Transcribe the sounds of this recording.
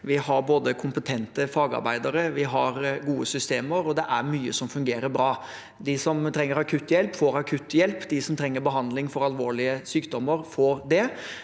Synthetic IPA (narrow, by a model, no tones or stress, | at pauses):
ʋɪhɑɾboːd̪əkʰʊmpət̪ʰɛnt̪əfɑːɡɑ̰ɾbæɪd̪əɾəʋɪɦɑɾɡuːəsʏst̪eːməɾɔd̪ɛʔæɾmyːə̰sɔmfʉŋɡeːɾəɾbɾɑː | d̪ɪsɔmt̪ʰɾɛŋːəɾɑkʰʉt̪ːjɛlpfoːɾɑkʰʉt̪ːjɛlpːd̪ɪsɔmt̪ʰɾɛŋːəɾbəɦɑnd̪lɪŋfɔɾɑlʋoːɭɪəsyːkd̪ɔmːəɾfoːɾd̪ɛ